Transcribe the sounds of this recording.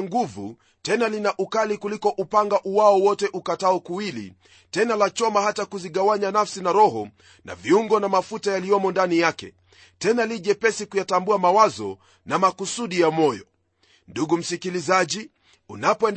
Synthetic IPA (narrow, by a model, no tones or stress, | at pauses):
ŋɡuvṵ | tɛnalinaʔukalikulikɔʔupaŋɡaʔuwaɔwɔtɛʔukataɔkuwilḭ | tɛnalat͡ʃɔmahatakuziɠawaɲanafsinaɾɔɦɔ | na̰viuŋɡɔnamafutajaliɔmɔndanijakɛ̰ | tɛnaliʄɛpɛsikujatambuamawazɔ | namakusuɗijamɔjɔ | nduɡum̩sikilizaʄi | unapɔɛnd